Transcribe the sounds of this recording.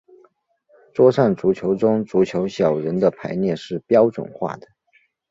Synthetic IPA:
ʈ͡ʂwɔ˥ʂa˥˩ŋʈ͡ʂu˧˥t͡ɕʰjo˧˥ʊʈ͡ʂʊ˥ŋʈ͡ʂu˧˥t͡ɕʰjo˧˥ʊɕjɑ˨˩ʊɻə˧˥nd̪ə˧pʰa˧˥ɪnjɛ˥˧ʂɻ̩˥˩pjɑ˥ʊʈ͡ʂwə̰˨˩nxwa̰˥˩d̪ə˩

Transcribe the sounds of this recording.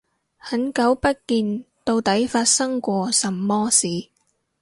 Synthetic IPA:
hɐ˨˥nkɐ˨˥wpɐ˥t̚kiː˧nt̪o˧wt̪ɐ˨˥jfaː˧t̚sɐ˥ŋkʷɔː˧sɐ˨mːɔː˥siː˨˩

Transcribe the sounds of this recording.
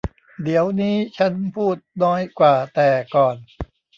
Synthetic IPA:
d̪i˩˦əwniː˦˥t͡ɕʰa˦˥npʰuː˥˩t̪̚nɔː˦˥jkwaː˨˩t̪ɛː˨˩kɔː˨˩n

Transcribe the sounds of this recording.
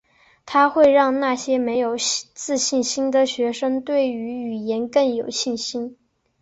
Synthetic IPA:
t̪ʰa˥xwe˥˧ɪɻɑ˥˧ŋna˥˩ɕjɛ˥me˧˥ɪjo˨˩ʊt͡sɹ̩˥˧ɕi˥˩nɕi˥nd̪ə˨ɕɥɛ˧˥ʂə˥ŋt̪we˥˩ɪy˧˥y˨˩jɛ˧˥nkɤ˥˩ŋjo˨˩ʊɕi˥˩nɕi˥n

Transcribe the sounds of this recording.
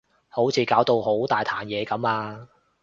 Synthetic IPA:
ho˨˥wt͡sʰiː˨˧kaː˨˥wt̪o˧who˨˥wt̪aː˨˩jt̪ʰaː˨˩njɛː˨˧kɐ˨˥maː˧

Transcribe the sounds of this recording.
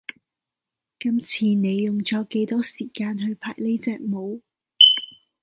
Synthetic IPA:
kɐ˥mt͡sʰiː˧ne˨˧jːʊ˨ŋt͡ʃɔː˨˥kːe˨˥jt̪ɔː˥siː˨˩kaː˧nɦɵ˧ɥpʰa̰ː˨˩jle˥t͡sɛː˧k̚mo˨˧w

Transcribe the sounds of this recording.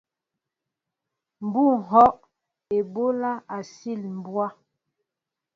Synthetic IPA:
m̩˨bu˦˨ŋ˨ɦɔ˦ʔ | e˨bo˦la˦a˨si˦˨lm̩˨bwa˦

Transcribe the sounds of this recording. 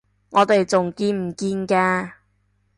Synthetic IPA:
ŋɔː˨˧t̪e˨jt͡sʊ˨ŋkiː˧nm̩˨˩kiː˧nkɛː˧

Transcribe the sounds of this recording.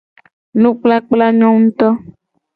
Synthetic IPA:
nũ˦k͡pla˦k͡pla˦ɲɔ̃˦ŋũ˦t̪ɔ˦

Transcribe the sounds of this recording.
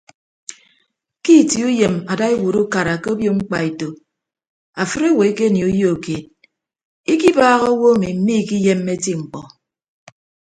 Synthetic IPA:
ki˦˨ti˨˦u˦je˨ma˨da˦e˦wu˨ɾu˦ka˨ɾa˨ke˦o˦bjo˦ŋ͡m̩˦k͡pa˨e˨to˨ | a˨fɨ˦ɾo˦˨we˨˦ke˦ni˨u˨˦jo˦o˨ke˨d̚ | i˦ki˦baː˦ɣɔ˦wo˦mi˨m̩˦mi˦˨ki˦je˦mː˦e˦ti˦ŋ͡m̩˨k͡pɔ˨

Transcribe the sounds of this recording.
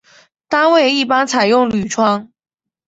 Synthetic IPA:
t̪a˥nwe˥˧ɪi˥˩pa˥nt͡sʰa˨˩ɪjʊ˥˩ŋly˨˩ʈ͡ʂʰwɑ˥ŋ

